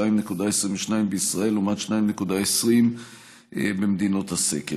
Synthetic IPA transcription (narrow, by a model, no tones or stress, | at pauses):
ajimnekud̪aesʁimveʃnaimbeisʁae̞lumad̪ʃnajimne̞kud̪aesʁim̰ | bemd̪ino̞t̪hasḛke